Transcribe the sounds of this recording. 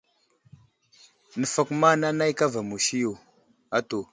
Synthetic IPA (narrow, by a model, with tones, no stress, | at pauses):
nə˨fa˨kma˦na˦na˦jka˦va˨mu˨ʃi˦jo˨ | a˦to˨